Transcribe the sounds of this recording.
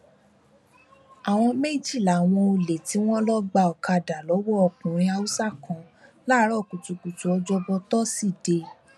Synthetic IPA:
a˨w̃ɔ̃˧me˦˨d͡ʒi˦˨la˨w̃ɔ̃˧o˧le˨ti˨˦w̃ɔ̃˦lɔ˦ɡ͡ba˧ɔ˨ka˧da˨lɔ˨˦wɔ˦ɔ˧˨kũ˨ɾ̃ĩ˧a˧u˦sa˦˨kɔ̃˨˧ | la˦ɾɔ˦˨ku˨tu˨ku˨tu˨ɔ˧d͡ʒɔ˧bɔ˧tɔ˦si˦˨de˧

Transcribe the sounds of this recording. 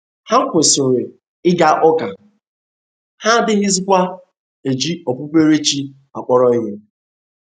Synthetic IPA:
ha˦kʷe˨sʊ˨ɾe˨ | ɪ˦ɡa˦ʔɔ˦ka˨ | ha˦dɪ˦ɦɪ˦zɪ˦kʷa˦ | e˨d͡ʒi˦ɔ˨pʊ˦pe˦ɾe˦t͡ʃi˦ | a˨k͡pɔ˦ɾɔ˦ɲe˦

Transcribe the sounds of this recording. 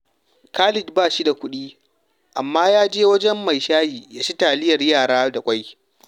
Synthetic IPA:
kaː˦lɪ˨dbaː˦˨ʃi˦da˨kʷʊ˦ɗiː˦ | ʔa˨mːaː˦jaː˦d͡ʒeː˦wɐ˦d͡ʒɛ˦mːa˨jʃaː˦jiː˨jaː˦ʃi˦taː˨lɪ˦jɐ˨rjaː˨ɽaː˦da˨kʷʼa˦j

